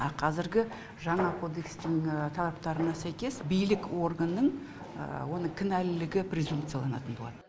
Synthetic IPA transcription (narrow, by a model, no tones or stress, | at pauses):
ɑqʰɑzɪɾɡʲɪ | ʒɑɴɑkʰo̞d̪e̞kst̪ɪŋt̪ʰɑlˠɑp̚t̪ɑɾənɑsæjkʲe̞sbijlɪko̞rɡanːəɴ̰ | wo̞nəɴkʲʰɪnælɪlɪɡʲɪpɾʲe̞zumpt̪sɨjalˠɑ̰nɑ̰t̪ənbolˠɑ̰d̪ə